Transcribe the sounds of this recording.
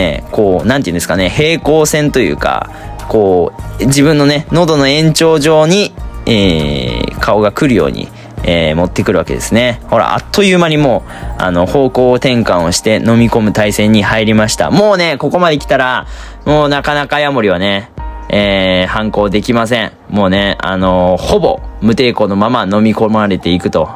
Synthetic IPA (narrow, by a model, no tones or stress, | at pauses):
ḛko̞ːnãnt̪eiɯ̟nd̪esɨ̥kane̞he̞ːko̞ːsẽ̞nt̪o̞jɯ̟̰ːka̰ | ko̞ːd͡ʑibɯ̃nːo̞ne̞no̞d̪o̞no̞ẽ̞ɲ̟t͡ɕo̞ːʑo̞ːɲ̟ieː | kʰao̞ɡakɯ̟ɾɯ̟jo̰ːɲ̟ḭ | eːmo̞t̪ːe̞kɯ̟ɾɯ̟βa̰ke̞d̪e̞sɨne̞ho̞ɾa̰ʔa̰t̪ːo̞jɯːmaɲimo̞ː | a̰no̞ho̞ːko̞ːt̪ẽ̞ŋkãɰ̃o̞ɕi̥t̪e̞no̞mʲiko̞mɯ̟t̪aisẽ̞ɲ̟ːihaiɾʲimaɕi̥t̪a̰mo̞ːne̞ko̞ko̞mad̪e̞kʲi̥t̪aɾa | moːnakanakajamo̞ɾʲiβ̞ane̞eːhãŋko̞ːd̪e̞kʲimas̬ẽ̞ɰ̃ | mo̞ːne̞a̰no̞ho̞bo̞̰mɯ̟t̪e̞ːko̞ːno̞mamano̞mʲiko̞maɾe̞t̪e̞ikɯ̟t̪o̞